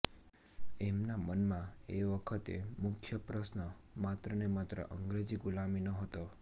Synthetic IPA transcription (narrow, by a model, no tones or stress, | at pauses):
emnamənmãeʋəkʰət̪ḛmʊkʰjəpɾəsnə | mat̪ɾənemat̪ɾə̰ʔəŋɡɾed͡ʒiɡulaminəɦət̪o